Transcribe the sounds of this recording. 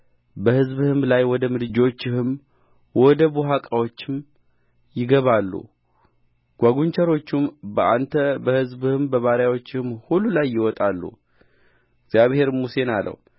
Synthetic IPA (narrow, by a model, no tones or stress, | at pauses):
bəhɨzbhɨmlajwɔd̪əmɨd̪ɨd͡ʒo̞t͡ʃːɪhɨm | wɔd̪əbuɦakʼawo̞t͡ʃːɪm | jɪɡəβalːṵ | ɡ̥ʷaɡuɲt͡ʃəɾo̞t͡ʃːumbəʔant̪ʰəbəhɨzbhɨmbəβaɾjawo̞t͡ʃːɪhɨmhulːulajːɪwɔt̪ʼalːṵ | ɪɡz̥jaβhe̞ɾmuse̞nalʔə̰w